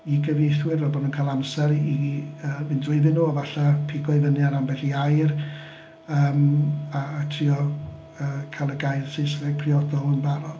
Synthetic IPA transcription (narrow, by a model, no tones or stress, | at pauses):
iɡəvejθwɪɾɛbɔdunkʰajlˠamsɛɾiəːmɨndrʊɨðɪnuavaɬapʰɪɡɔɨvənɨaɾambɛɬiajr | əːmatʰriɔ | əːkʰajlˠəɡajrsɪsvɛɡ̚pʰriɔdɔhʊnbaɾɔ